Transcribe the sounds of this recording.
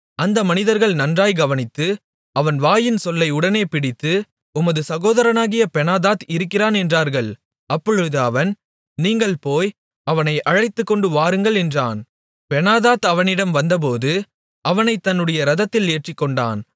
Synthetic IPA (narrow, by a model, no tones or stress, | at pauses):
ɐnd̪ɐmɐnɪðɐɾɣɐɭnɐndraːjɡɐʋɐnɪt̪ːɯ | ɐʋɐnʋaːjɪnsɔlːɐɪʊɽɐneːpɪɽɪt̪ːɯ | ʊmɐðɯsɐɣoːðɐɾɐnaːɣɪjɐpɛnaːðaːt̪ɪɾɯkːɪɾaːnɛndraːɾɣɐɭ | ɐpːɔɻɯðɯɐʋɐn | niːŋɡɐɭpoːj | ɐʋɐnɐɪʔɐɻɐɪt̪ːɯkːɔɳɖɯʋaːɾɯŋɡɐɭɛndra̰ːn | pɛnaːðaːt̪ɐʋɐnɪɽɐmʋɐnd̪ɐp̬oːðɯ | ɐʋɐnɐɪt̪ːɐnːɯɽɐjɐɾɐðɐt̪ːɪleːʈrɪkːɔɳɖa̰ːn